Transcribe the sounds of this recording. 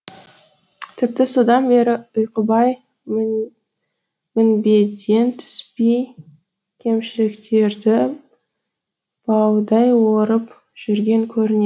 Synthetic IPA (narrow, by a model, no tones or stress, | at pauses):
t̪ʰɪp̚t̪ɪso̞d̪ɑnbe̞ɾɪʊjqəbɑj | mʏnbe̞d̪e̞nt̪ʰʏ̥spej | kʲʰe̞mʃɪlɪkt̪e̞ɾd̪ɪ | b̥ɑwd̪ɑjwo̞ɾəp | ʒ̥ʏɾɡʲe̞ŋkʲʰɵɾɪne